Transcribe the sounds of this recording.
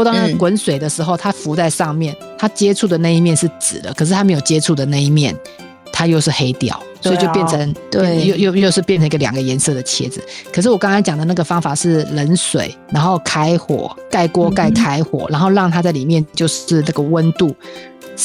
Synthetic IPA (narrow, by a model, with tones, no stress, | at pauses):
t̪ɑ˥ŋa˥kwə˧˥nswe˨˩ɪd̪ə˦ʂɻ̩˧˥xo˥˧ʊt̪ʰa˥fu˧˥t͡sa˥˧ɪʂɑ˥˧ŋmjɛ˥˩n | t̪ʰa˥t͡ɕjɛ˥ʈ͡ʂʰu˥˩d̪ə˩na˥˧i˥mjɛ˥˧nʂɻ̩˥˩t͡sɹ̩˨˩d̪ə˦kʰɤ˨˩ʂ̬ɻ̩˥t̪ʰa˥mjjo˨˩ʊt͡ɕjɛ˥ʈ͡ʂʰu˥˩d̪ə˩na˥˧i˥mjɛ˥˩n | t̪ʰa˥jo˥˧ʊʂɻ̩˥˩xe˥ɪt̪jɑ̰˨˩ʊswɔ˧˦˥t͡ɕjpjnt͡sʰə˧˦ŋ˥˩jo˥˧jo˥˧ʊjo˥˧ʊʂɻ̩˥˧pjnt͡sʰə˧˦ŋi˧ɡə˧ljɑ̰˨˩ŋɡə˦jɛ˧˥nsɤ˥˩d̪ə˩t͡ɕʰjɛ̰˥d͡zɹ̩˨kʰə˨˩ʂɻ̩˥˩wkɑ˥ŋkʰɑ˥nt͡ɕɑ˨˩ŋd̪ə˩˦na˥˩ɡə˩fɑ˥ŋfa˨˩ʂɻ̩˥˩lə˧˦nswḛ˨˩˦ɪna˧˥nxo˥˩ʊkʰa˥ɪxwɔ̰˨˩˦ka˥˩ɪkwɔ˥ka˥˩ɪkʰa˥ɪxwɔ̰˨˩˦ɻa˧˥nxo˥˧ʊɻɑ˥˩ŋt̪ʰa˥t͡sa˥˩ɪli˨˩mjɛ˥˧nt͡ɕjo˥˧ʊʂɻ̩˥˧na˥˩ɡə˩wə˦˥nt̪u˥˩